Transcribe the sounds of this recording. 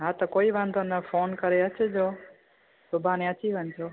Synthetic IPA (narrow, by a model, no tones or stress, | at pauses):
ɦat̪okoiʋãnd̪onəfoːnkəɾeət͡ʃʰed͡ʒo | t̪obʱanẽət͡ʃʰiʋənd͡ʒo